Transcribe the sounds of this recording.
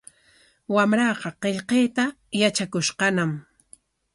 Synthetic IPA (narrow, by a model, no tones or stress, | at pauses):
wamɾɑqɑqeʎqeːt̪a | jat͡ʃakʊʃqɑnam